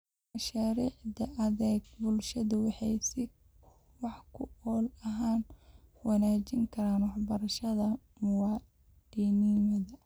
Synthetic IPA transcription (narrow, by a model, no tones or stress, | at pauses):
mɐʃaːɾiːʕd̪ɐʔɐðɛːɡ̚bʊlʃɐðɐwɑħɑjsɪ | wɑħkʰʊɔːlɐɦaːnwɑnaːt͡ʃɪŋkʰɐɾaːnwɑħbɐɾɐʃɐðɐ | mʊwɑ | dinimɐðɐ